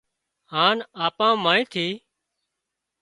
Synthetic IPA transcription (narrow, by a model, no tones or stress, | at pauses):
ɦaːnaːpãːmãːĩːt̪ʰiː